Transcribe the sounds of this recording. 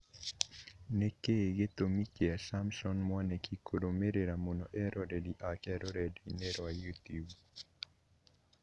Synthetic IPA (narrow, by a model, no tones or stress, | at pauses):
nekeɡet̪omit͡ʃeasamsɔnmwanɛkʰikʰodomeɾeɾamonɔʔɛɾʔɔɾediʔakɛɾɔɾedinɛɾajut̪jub